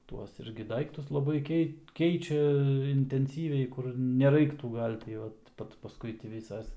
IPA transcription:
ˈtuɔs ˈɪrʲɡʲɪ ˈdɐɪktʊs lˠɐˈbɐɪ ˈkʲɛɪt ˈkʲɛɪt͡ʃʲɛ ɪnʲtʲɛnʲˈsʲiːʋʲɛɪ kʊr nʲɛˈrɐɪktuː ˈɡɐlʲ tʲɪ ˈoːt ˈpɐt pɐsˈkʊɪ tʲiː ˈʋʲiːsɐs

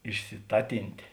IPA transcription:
ɪʃʲsʲɪˈtɑːtʲɪnʲtʲeː

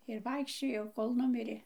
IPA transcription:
ɪr ˈʋɐɪkʃʲt͡ʃʲoːjɛʊ ˈkoːlˠ ˈnʊmʲɪrʲeː

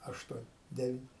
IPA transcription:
ˈɑːʃtuɔn ˈdʲæːʋʲɪn

